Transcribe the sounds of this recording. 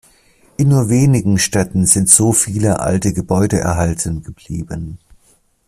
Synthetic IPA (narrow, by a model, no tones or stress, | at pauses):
ʔɪnːuːɐveːnɪɡŋ̩ʃtɛtn̩zɪntz̥oːfiːləʔa̰ltəɡəbɔʏdəʔɛ̰ɐɦaltʰənɡəbliːbən